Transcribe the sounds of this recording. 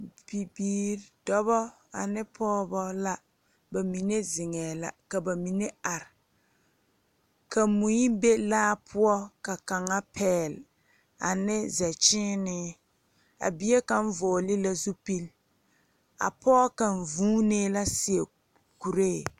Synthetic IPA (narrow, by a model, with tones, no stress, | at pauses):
pi˨biː˨ɾdɔ˦bɔ˦ | a˨nɪ˦pʰɔː˦bɔ˦la˦ | ba˨mi˨ne˦zɪ˨ŋɛː˨la̰˨ka˨ba˨mi˨ne˦a˨ɾɪ˨ | ka˨mu˨ɲi˦be˦laː˦pʰʊ˦ɔ˦ka˨ka˨ŋa˦pʰɛː˦˨l | a̰˨nɪ˦zɛ˨t͡ʃɪː˦nɪ˦ | a̰˨bi˦e˦ka˨ɱ̩˦vɔː˨lɪ˦la˦zu˦pi˦l | a̰˨pɔː˦ka˨n̩˨vuː˦neː˦la˦sɪ˨e˨ | ku˨ɾe˦˨